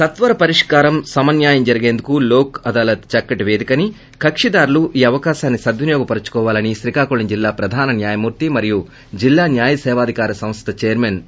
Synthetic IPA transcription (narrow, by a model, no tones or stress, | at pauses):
sɐt̪ʋɐɾɐpɐɾiʂkaːɾɐmsɐmɐnjaːjɐmd͡ʒɐɾɐɡeːnd̪ukuloːkɐd̪aːlɐt̪t͡ʃɐkːɐʈʋe̞ːd̪ikɐni | kɐkʂid̪aːɾuluʔiːɐʋɐkaːʃaːnːisɐd̪ʋunjɔːɡɐpɐɾɐt͡ʃu̥kɔːʋaːlɐniʃɾikaːkuɭɐnd͡ʒilːaːpɾɐd̪ʱaːnɐnjaːjɐmuːɾt̪imɐɾiju | d͡ʒilːaːnjaːjɐsɛːʋaːd̪ʱikaːɾɐsɐ̃mst̪ʰɐt͡ʃeːɐɾmeːn